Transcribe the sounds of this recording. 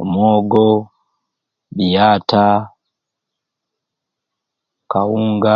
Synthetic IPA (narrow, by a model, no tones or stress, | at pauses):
omoːɡo | bijaːta | kawuːŋɡa